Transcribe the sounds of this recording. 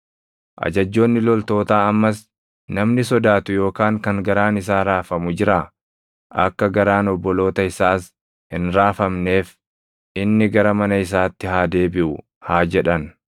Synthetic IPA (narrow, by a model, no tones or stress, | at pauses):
ʔɐ̰d͡ʒɐd͡ʒːo̞ːnːɪlɔlt̪o̞ːt̪aːɐmːɐs | nɐmnɪsɔd̪aːt̪ʊjo̞ːkaːŋkɐŋɡɐɾaːnɪs̬aːɾaːfɐmʊd͡ʒɪɾa | ɐ̰kːɐɡɐɾaːnɔbːɔlo̞ːt̪ɐɪsaːs | hɪnɾaːfɐmne̞ːf | ʔɪnːɪɡɐɾɐmɐnɐɪs̬aːt̪ːɪɦaːd̪e̞ːbɪʔʊ | haːd͡ʒɛᶑɐn